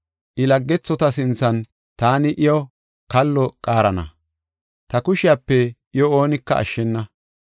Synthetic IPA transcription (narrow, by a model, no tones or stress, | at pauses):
ʔɪlɐɡːɛt͡sːɔt̪ɐs̬ɪnt͡sːɐn | t̪aːnɪʔɪjɔ | kɐlːɔkʼaːɾɐnɐ̰ | t̪ɐkʊʃɪjapːɛʔɪjɔo̞ːnɪkːɐʔɐ̰ʃːɛnːɐ